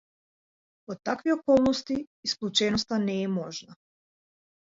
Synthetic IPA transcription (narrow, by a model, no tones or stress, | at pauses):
ot̪ːakʋiokolˠnost̪iːsklʲˠut͡ʃenost̪anɛjemoʒna